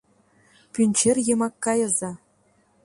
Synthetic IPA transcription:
pʲynʲt͡ɕerʲjɤ̆mɑkːɑjɤ̆zɑ

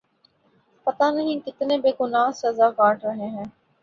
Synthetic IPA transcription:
pɐt̪anɐɦĩːkɪt̪nẽːbeːɡʊnaːɦsɐzaːkaːʈɾəɦẽːɦɛ̃ː

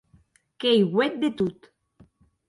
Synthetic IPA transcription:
kejɣwet̪̚d̪et̪ut̪

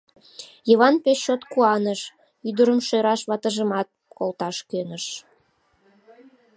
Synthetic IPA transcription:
jəβɑnpeʃot̪kuɑnəʃ | yd̪əɾəmʃøɾɑʃβɑt̪əʒəmɑt̪̚kolt̪ɑʃkønəʃ

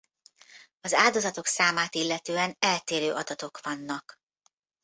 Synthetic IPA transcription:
ɒzaːld̪o̞zɒt̪o̞ksaːmaːt̪ilːɛt̪øːɛnɛlt̪eːɾøːʔɒd̪ɒt̪o̞kʋɒnːɒk

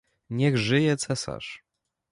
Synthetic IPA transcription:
ɲɛɣʐɘjɛt̪sɛsa̰ʂ

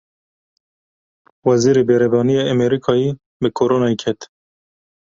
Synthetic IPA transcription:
wɛziːɾeːbeɾɛvɑːnijeːɛmeɾikʰɑːjiː | bɨkʰoɾoːnɑːikʰɛt̪

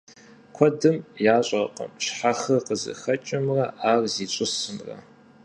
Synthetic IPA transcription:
kʷʰɔdɨmjaːɕʼɐqʼə̰mʃħaxɐqəzɨ̰xɐt͡ʃʼɪmrɐʔaːrziːɕʷʼʊsɨmrɐ̰

